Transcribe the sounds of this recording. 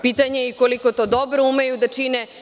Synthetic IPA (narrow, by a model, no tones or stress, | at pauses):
pit̪aɲeikoliko̞t̪o̞ːd̪obɾoumejud̪at͡ʃine